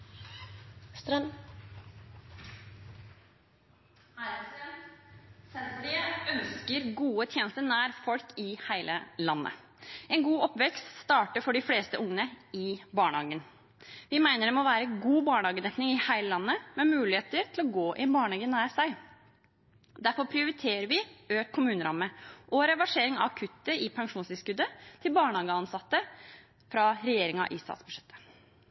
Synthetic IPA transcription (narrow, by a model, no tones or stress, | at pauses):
st̪ɾɛn | æɾsɛn | sɛnt̪ɾɪəœnskəɾɡuːət̪ʰjeːnəst̪əɾnæːɾfɔlkɪhæɪlʔə̰lɑnːə̰ | ɛnɡuːɔpʋɛkst̪st̪ɑːʈəfɔɖɪfleːst̪əʔʊŋənəɪbɑːɳhɑːɡən | ʋɪmæɪnəɖ̪ɛmɔʋæːɾəɡuːbɑːɳhɑːɡəd̪ɛk̪nɪŋɪhæɪləlɑnːəmɛmʉːlɪeːt̪əɾt̪ʰɪlɔɡoːʔɪɛnbɑːɳhɑːɡənːæːɾsæɪ | d̪æɾfɔɾpʰɾɪʊɾɪt̪ʰeːɾəɾʋɪøːt̪kʰʊmʉːnəɾɑmːəʔɔɾɛʋɑʂeːɾɪŋɑɑkʰʉt̪ːəɪpʰɑŋʂuːnsɪskʉd̪ːət̪ʰɪlbɑːɳəhɑːɡəɑnsɑt̪ːə | fɾɑɾɛjeːɾɪŋɑ̰ʔɪst̪ɑ̰ːt̪sb̥ʉʂɛt̪ʰːə̥